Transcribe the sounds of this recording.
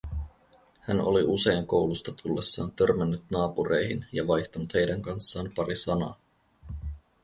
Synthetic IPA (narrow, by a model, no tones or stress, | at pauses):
hæno̰liʔuse̞jŋko̞wlust̪ɑt̪ʰulːesːɑːnt̪ø̞rmenːyt̪nɑːpuɾe̞jɦinjɑʋɑjçt̪ɑnut̪he̞jdæŋkɑnsːɑːnpɑɾisɑnɑ̰ː